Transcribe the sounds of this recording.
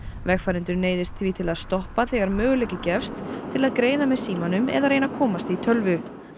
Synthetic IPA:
vɛxfaɾɪnt̪ʏɾneːjðɪst̪θviːt̪ʰɪlaðst̪ɔhpaθɛːɣaɾmœːɣʏlejcɪcɛfst̪ʰːɪlaðkɾeːjðamɛðsiːmanʏmɛ̰ðaɾejnakʰɔːmast̪it̪ʰœlvʏ

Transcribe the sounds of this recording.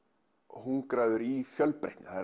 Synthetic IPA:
ɔhunkɾaːðʏɾifjœlpɾḛht̪nɪθa

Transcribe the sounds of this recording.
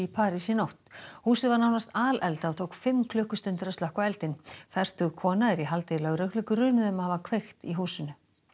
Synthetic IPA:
ipʰaːɾisiɪnowht̪huːsɪðvaɾnawnast̪aːlʔɛlt̪aat̪ʰoːwkfɪmːkʰlʏːhkʏst̪ʏnt̪ɪɾœst̪ahkvaɛlt̪ɪnfɛr̥t̪ʏɣkʰɔːnaðɪɾiɦalt̪elɛɣɾœhklʏkʏrʏːnʏðɛmhavakʰvejxt̪iɦuːsɪnʏ

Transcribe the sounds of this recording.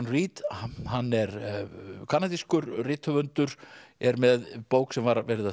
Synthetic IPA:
nriːt̪hanːɛɾ | kʰaːnat̪iskʏɾrɪːt̪ʰhœvœnt̪ʏɾ̥ɛɾmɛðpoːwksɛmvaɾavɛːɾɪða

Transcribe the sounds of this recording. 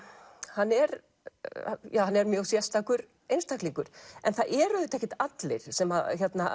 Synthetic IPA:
hanːɛɾ | jaːwhanːɛɾmjœɣsjɛ̥st̪akʏɾ | ejnst̪ʰakliŋkʏɾ̥ɛ̰nθaðʔɛɾʏðɪt̪ɛhcɪht̪at̪lɪɾ̥sɛmaçɛt̪na̰

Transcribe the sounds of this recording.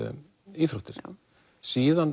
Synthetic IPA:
iːθɾuht̪ɪɾ | siːðan

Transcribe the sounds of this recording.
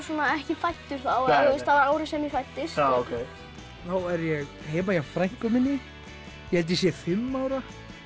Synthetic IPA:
suːnaɛhcɪfajt̪ːʏɾ̥θawhɛɪst̪avaɾaːwɾɪsɛmɪfajt̪ːɪsaokʰej | θaːwɛɾjɛɣ | heːjmajafɾajŋ̥kʏmɪnːɪ | jɛhɛlt̪̬ɪsjɛfʏmːaːwɾa

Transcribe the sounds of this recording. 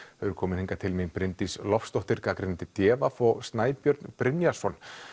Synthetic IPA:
hœvʏɾkʰɔːmɪnhiŋkat̪ʰɪlmɪnpɾɪnt̪islɔfst̪oht̪ɪɾkakɾɪnt̪ɪt̪jɛːvafɔɣst̪naːjpjœɾt̪npɾɪnjasɔn

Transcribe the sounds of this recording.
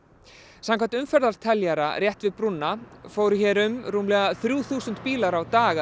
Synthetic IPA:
samŋkʰvant̪ʏmfɛɾðaɾ̥t̪ʰɛljaɾa̰rjɛht̪vɪðpɾunːafoːwɾʏçɛːɾʏmɾuːmlɛːɣaθɾjuːθuːsʏnt̪piːlaɾawt̪aːɣa

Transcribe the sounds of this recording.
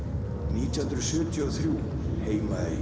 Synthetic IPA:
niːt̪ihɯnt̪ɾʏðsʏːt̪ʰiɔθɾjuː | heːjmaej

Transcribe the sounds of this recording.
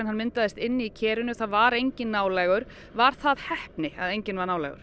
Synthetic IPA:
ɛnhanmɪnt̪aðɪst̪ɪnːɪicʰɛːɾʏnʏθaðvaɾejɲcɪnːaːwlɛɣʏɾ̥ | vaɾ̥θaðhɛhpnɪa̰ðejɲcɪnvaɾnaːwlɛ̰ɣʏ̰ɾ̥

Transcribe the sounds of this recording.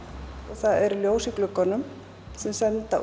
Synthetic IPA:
ɔɣθaðɛɾljoːwsɪklʏkɔnːʏm | sɛmsɛnt̪a̰

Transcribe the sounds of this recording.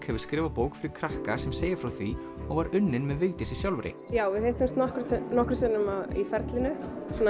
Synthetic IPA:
khɛvʏɾ̥skɾɪːvapoːwkfɪɾɪɾ̥kʰɾahkasɛmseːjɪ̥fɾawθvi | ɔɣvaɾʏnːɪnmɛðvɪːt̪ɪsisjawlvɾɪ̰jaːwvɪðheht̪ɪmst̪nɔhkɾʏt̪nɔhkɾʏsɪnːʏmaðḭfɛɾt̪lɪnʏ | sɔn

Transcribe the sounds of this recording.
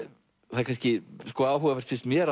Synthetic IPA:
θakʰajnscɪskɔaːwɦuvafɛ̥ɾ̥t̪fɪnst̪mjɛːɾ

